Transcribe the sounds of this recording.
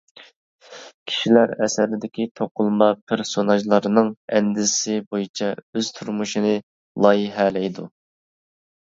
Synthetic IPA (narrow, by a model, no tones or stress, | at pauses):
kʲʰi̥ʃilæɾɛsæɾɪd̪ɪkʲit̪ʰoqʰʊlˠmɑpʰeɾsonɑʒlˠɑɾnɨŋɛnd̪ɪsɪbojit͡ʃʰɛøz̥t̪ʰuɾmuʃinɨ | lˠɑjiɦælɛjd̪u